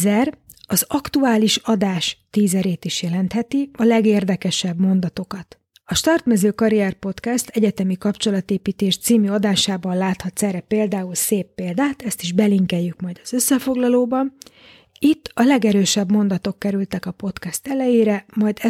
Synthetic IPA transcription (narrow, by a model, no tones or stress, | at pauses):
ɛr | ɒzɒkt̪uaːliʃɒd̪aːʃt̪iːzɛɾeːt̪iʃjɛlɛnt̪hɛt̪iɒlɛɡeːrd̪ɛkɛʃɛbmo̞nd̪ɒt̪o̞kɒt̪ | ɒʃt̪ɒrt̪mɛzøːkɒɾiɛrpo̞t̪kɛst̪ʰɛɟɛt̪ɛmikɒpt͡ʃo̞lɒt̪eːpiːt̪eːʃt̪siːmyɒd̪aːʃaːbɒnlaːt̪hɒt̪sɛrɛpeːld̪aːulseːpːeːld̪aːt̪ɛst̪iʒbɛliŋkɛjːykmɒjd̪ɒz̥ø̞sːɛfo̞ɡlɒloːbɒn | it̪ːɒlɛɡɛɾøːʃɛbmo̞nd̪ɒt̪o̞kːɛɾylt̪ɛkɒpo̞t̪kɛst̪ɛlɛjeːɾɛmɒjd̪ɛ